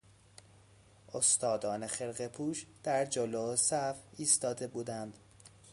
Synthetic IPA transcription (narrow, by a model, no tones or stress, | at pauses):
ʔost̪ɒːd̪ɒːnexelɢepʰuːʃd̪̥æɾd͡ʒolosæviːst̪ɒːd̪e̞buːd̪ænd̪̥